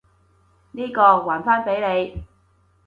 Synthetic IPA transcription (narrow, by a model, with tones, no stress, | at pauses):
niː˥kɔː˧waː˨˩nfaː˥npe˨˥jne˨˧j